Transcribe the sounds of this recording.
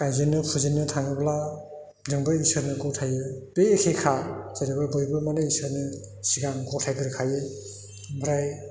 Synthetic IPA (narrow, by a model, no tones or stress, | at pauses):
kajzinːɯpʰuzinːɯtʰaŋɯbla | dɯŋbɯisɯnɯɡɔtʰajɯdejekʰekʰaz̥aɾibɯbɯjbɯmanɯisɯɾnɯ | siɡaŋɡɔtʰajɡɯɾɯkʰajɯ | bɯɾaj